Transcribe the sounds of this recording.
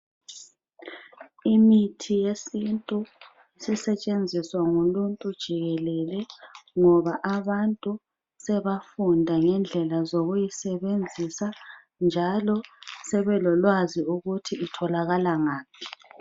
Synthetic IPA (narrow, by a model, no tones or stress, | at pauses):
imitʰijesintʼu | isisɛt͡ʃʼend͡zʱiswaŋuluntʼud̥ʒ̥ʱiɣɛlɛlɛŋɔβaʔaβantʼu | sɛβafundʱaŋɛnd͡ɮʱɛlazoɣujisɛβend͡zʱisa | nd͡ʒʱalɔsɛβɛlɔlwaziuɣutʰiːtʰɔlaɣalaŋaːp̚ʰi̥